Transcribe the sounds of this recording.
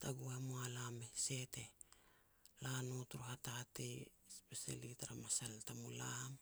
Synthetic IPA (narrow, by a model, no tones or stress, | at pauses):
taɡuamoalamese̞te̞ | lanotuɾuhatatej | spesa̰litaɾamasaltamulam